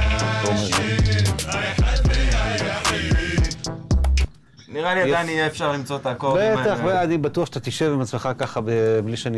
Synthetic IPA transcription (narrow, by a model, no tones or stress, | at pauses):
ome | niʁaliadajnijɛːfʃaʁlimt͡sot̪akolbet̪aχbeanibat̪uaχʃḁt̪at̪iʃevimat͡smeχakaχabebliʃani